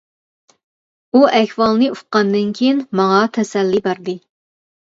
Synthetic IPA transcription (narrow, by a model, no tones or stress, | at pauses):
uʔɛçwɑlˠnɨuqɑnd̪ɨnkʲʰijinmɑŋɑt̪ʰɛsɛlːibæɾd̪ɨ